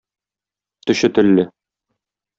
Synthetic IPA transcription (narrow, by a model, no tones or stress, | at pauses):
t̪ɵ̆ɕɘt̪ɵ̆lːɘ